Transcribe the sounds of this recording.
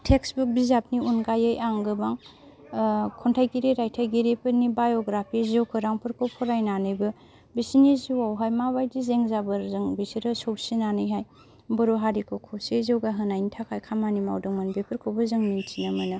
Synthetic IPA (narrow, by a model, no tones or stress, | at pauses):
tʰeksbuk̚bizap̚niunɡajɯjaŋɡɯbaŋ | kʰɔntʰajɡiɾiɾajtʰajɡiɾipʰɯnibajoɡɾapʰizowkʰɯɾaŋpʰɯɾkʰowpʰɔɾajnanɯjbɯ | bisiniziwawɦajmabajdizeŋzabɯɾzɯŋbisiɾɯsɔwsinanɯjɦaj | bɯɾoɦaɾikʰɯwkʰowsezewɡaɦɯnajnitʰakʰajkʰamanima̰wdɯŋmanbepʰɯɾkʰowbɯzɯŋnint͡ʃinɯmɯnɯ